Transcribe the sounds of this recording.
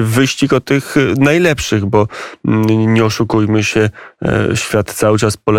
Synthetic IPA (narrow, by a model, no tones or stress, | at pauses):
vɘɕt͡ɕikɔt̪ːɘxnajlɛpʂɘɣbɔ | ɲɛɔʂukujmɘɕɛ | ɕfʲjat̪t̪sawɘt͡ʂaspɔlɛ